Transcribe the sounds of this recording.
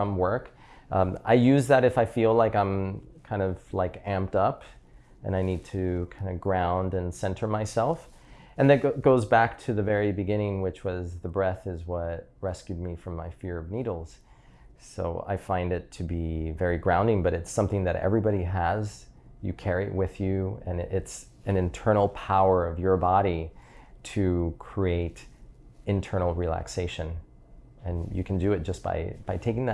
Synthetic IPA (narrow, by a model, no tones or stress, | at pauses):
ʌ̃mwɜ˞k | a̰ɪjʉzðɨɾɨfaɪfilaɪkãɪ̃mkʰãɪ̃ndʌv̥laɪkæ̃mp̚tʌp | ɨ̰̃ñaɪnid̚tʰɨkʰãɪ̃ndɨɡɹãʊ̃ndɨ̃nsɛ̃ntʰə˞maɪsɛlˠf | ɨ̃nðɨt̚ɡ̥oʊzbæk̚tʰɨðɨvɛɹibɨɡɪ̃ñɪ̃ŋwɨt͡ʃwʌzðɨbɹɛθɨzwʌt̚ɹɛskjʉd̚mifɹʌ̃mːaɪfɪɹʌvniɾl̩ˠz̥ | so̰ʊa̰ɪfãɪ̃ndɨtʰɨbivɛɹiɡɹãʊ̃ndɪ̃ŋbʌɾɨtsʌ̃mθɪ̃ŋðɨɾɛ̰vɹibɑɾiəz | jɨ̰kʰɛɹiɨ̰ʔwɪðjʉɨ̃nɪts | ɨ̃nɨ̃ntʰɜ̃˞nl̩ˠpʰaʊə˞ʌvjə˞bɑɾiɾɨkʰɹ̥ieɪɾɨ̃ntʰɜ̃˞nl̩ˠɹilæ̰kseɪʃɨ̃n | ɨ̃njɨ̰kʰn̩dɨɨt̚d̥ʒ̥ʌsb̥a̰ɪb̥aɪtʰeɪkɪ̃ŋð